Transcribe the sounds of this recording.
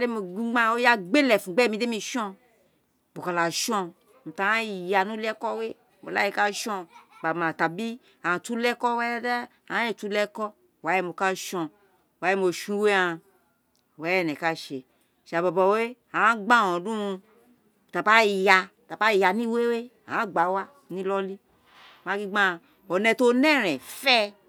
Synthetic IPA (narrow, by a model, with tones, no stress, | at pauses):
de˦mo˨ɡ͡bi˦ɡ͡ba˦o˦ja˦ɡ͡be˦lɛ˨fũ˨ɡ͡bɛ˦mĩ˧˨de˦mi˧ʃɔ̃˦ | bo˨ka˨la˨ʃɔ̃˦ | m̩˨ta˨a˦˨ja˨nũ˦lɛ˦kɔ˦we˦ | bo̰˨la̰˦je˦˧ka˦ʃɔ̃˦˧˨ba˨mã˨ta˨bi˦ | a˨tu˦lɛ˦kɔ˦wɛ˦da˦ | ã˨˦e˦˨tu˦lɛ˦kɔ˦˨ | wa˨˦je˦m˨o˨ka˦ʃɔ̃˧ | wa˨˦e˧˦mo˧˨ʃũ˦we˦ã˧ | wɛ˨˦ɛ˦˨nɛ̃˨ka˦˨ʃe˨ | ʃa˨bɔ˨bɔ˨we˦ | ã˨˦ɡ͡bã˦˨wɔ̃˨dũ˦˧ | ta˨pa˦˨ja˧ta˨pa˦˨ja˧nĩ˦we˦we˦ | ã˨˦ɡ͡ba˨˦wa˦ | nĩ˦lɔ˦li˦˨ | mã˦ki˧ɡ͡bã˦˨ | ɔ˨nɛ̃˧to˦nɛ̃˦˨ɾɛ̃˨fɛ˦